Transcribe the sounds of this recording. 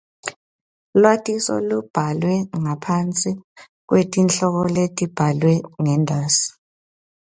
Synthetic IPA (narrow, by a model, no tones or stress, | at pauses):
lwatʼisɔ̰lub̥ʱalwɛŋapʰant͡sʼi | k̬wetʼinɬɔɣɔletʼib̥ʱalwɛŋɛndʱaːsi̥